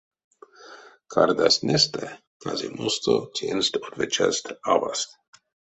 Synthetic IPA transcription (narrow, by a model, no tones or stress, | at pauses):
kʰaɾd̪ast̪nɛst̪ɛ | kazimost̪ot̪ʲenst̪od̪vɛt͡ʃast̪avast̪